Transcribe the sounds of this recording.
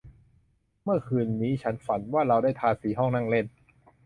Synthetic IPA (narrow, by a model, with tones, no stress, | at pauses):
mɯ˥˩ɐkʰɯː˧nːiː˦˥t͡ɕʰa˦˥nfa˩˦nwaː˥˩ɾa˧wdaː˥˩jt̪ʰaː˧siː˩˦ɦɔ˥˩ŋna˥˩ŋle˥˩n